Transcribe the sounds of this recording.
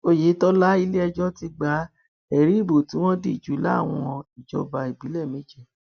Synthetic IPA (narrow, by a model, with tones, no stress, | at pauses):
o˦˨je˨˦tɔ˦la˦i˧le˦ɛ˧d͡ʒɔ˦ti˧ɡ͡ba˧˦ | ɛ˨ɾi˨˦i˦˨bo˨tĩ˨˦w̃ɔ̃˦de˦i˨d͡ʒu˨˦la˦a̰˦˨w̃ɔ̃˧i˨d͡ʒɔ̰˨˧ba˧i˨bi˨˦lɛ˦˨mẽ˨˦d͡ʒɛ˦˨